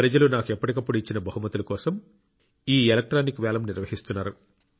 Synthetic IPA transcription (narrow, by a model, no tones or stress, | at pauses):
pɾɐd͡ʒɐlunaːkuɛpːɐʈikɐpːuɽuit͡ʃːinɐbɐɦumɐt̪ulɐkɔːsɐm | iːelɐk̚ʈɾaːnikʋɛːlɐmniɾʋɐɦist̪unːaːɾu